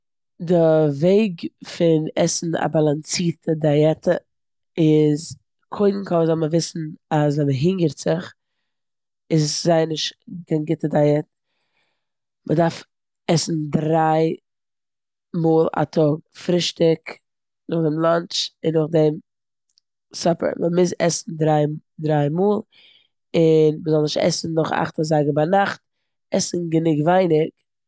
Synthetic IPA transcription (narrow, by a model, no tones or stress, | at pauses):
dɪveɪɡfɪnɛsn̩a̰balˠant͡siːtʰədajɛtʰə | ɪz | kʰoɪdn̩kʰɔzɔlˠməvɪsn̩asvɛməɦɪŋɡəɾtz̥ɪχ | ɪszaɪnɪʃkaɪnɡɪtədajɛt | mʔədaɾf | ɛsn̩dɾaɪ | muːlˠa̰tʰɔɡ̚fɾɪʃtɪk | nʊχdɪmlˠant͡ʃɪnːʊχdɪm | sɔpə̰ɾmɛlˠmɪzɛ̰sn̩dɾaɪ | dɾaɪmuːlˠ | ɪnməzɔlˠnɪʃtɛ̰sn̩nʊχa̰χtazaɪɡəbanaχt̚ | ɛsn̩ɡənɪɡvaɪnɪk